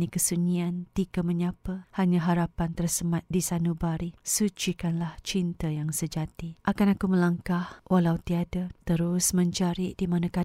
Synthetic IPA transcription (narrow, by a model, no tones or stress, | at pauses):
nikəsuɲiant̪ikaməɲãpəhaɲãɦaɾapant̪ərsəmat̪̚disanubaɾisut͡ʃikanlaht͡ʃint̪ajaŋsəd͡ʒat̪iʔakanakuməlaŋkahwʔalawt̪iadat̪əɾʊsmə̃ɲt͡ʃaɾidimanãka